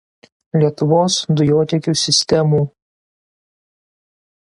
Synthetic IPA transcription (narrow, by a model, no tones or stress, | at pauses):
lʲiɛt̪ʊʋoːsd̪ʊjoːt̪ʲɛkʲuːsʲɪsʲt̪ʲɛmuː